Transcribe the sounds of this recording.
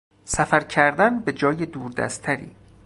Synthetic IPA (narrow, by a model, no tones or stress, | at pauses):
sæfæɾcʰæɾd̪ænbe̞d͡ʒɒːjed̪uːɾd̪æ̰st̪ʰæɾḭː